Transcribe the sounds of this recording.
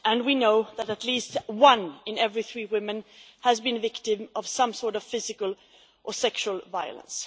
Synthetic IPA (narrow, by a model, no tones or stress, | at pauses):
ʔɨ̃nwinoʊðɨɾɨtˡlistwʌ̃nɨ̃nɛvɹiθɹiwɪ̃mɨ̃n | hɨzbɨ̃nvɪktɪ̃mʌv̥sʌ̃msɔɹɾʌv̥fɪzɨkəl̩ˠ | ʔəsɛkʃuəl̩ˠvaɪə̰lˠə̰̃ns